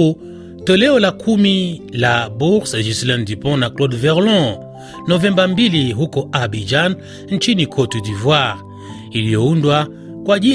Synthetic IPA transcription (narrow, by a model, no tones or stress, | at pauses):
u | tɔlɛɔlakʰumilabuʁsaʒislɛ̃ndipɔ̃naklɔdvɛʁlɔ̃ | nɔvɛ̃mbambiliɦukɔabid͡ʒan | n̩t͡ʃinikʰɔtudivwaʁ | ilijɔundwa | kwaʄi